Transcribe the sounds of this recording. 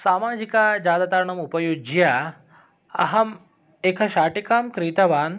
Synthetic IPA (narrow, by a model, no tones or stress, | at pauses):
saːmaːd͡ʑikad͡ʑaːd̪ɐt̪aɾɳɐmupɐjud͡ʒja | ɐ̰ɦɐm | ekʰaɕaːʈikaːmkɾit̪ɐʋaːn